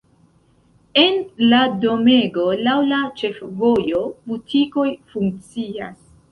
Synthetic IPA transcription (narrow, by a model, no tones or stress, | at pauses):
e̞nlado̞me̞ɡo̞lawlat͡ʃe̞fvo̞jo̞butʰiko̞jfuŋk̚t͡sia̰s